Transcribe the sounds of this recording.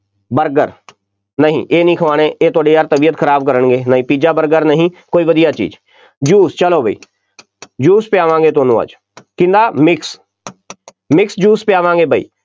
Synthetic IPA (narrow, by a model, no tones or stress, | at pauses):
bəɾɡəɾ | nəɦḭ̃ːʔeːnĩːkʰəʋaːneːeːt̪ʊaːɖiːaːɾt̪əbiːət̪kʰəɾaːb̚kəɾəɳɡeːnəɦĩːpiːd͡ʒaːbəɾɡəɾnəɦĩːkoːiːʋəd̪ijaːt͡ʃḭːd͡ʒ | d͡ʒuːst͡ʃəloːbəḭː | d͡ʒuːspɪjaːʋãːŋɡeːt̪ʊːnũːa̰ːd͡ʒ | kɪ̃nd̪aːmɪks | mɪksd͡ʒuːspjaːʋãːŋɡeːbəḭː